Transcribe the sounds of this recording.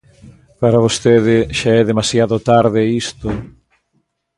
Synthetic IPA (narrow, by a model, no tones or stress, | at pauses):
paɾaβost̪eðɪʃaɛðemasjaðʊt̪aɾðɪist̪ʊ